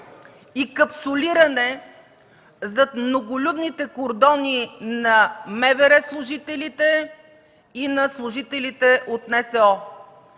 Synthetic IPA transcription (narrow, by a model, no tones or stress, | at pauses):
ikəpsʊlʲiɾənɛ | zɐt̪mnoɡʊlʲud̪nit̪ɛkoɾd̪ɔninɐmɛvɛɾɛslˠʊʒit̪ɛlit̪ɛ | inɐslˠʊʒit̪ɛlit̪ɛʔot̪nɛsɛɔ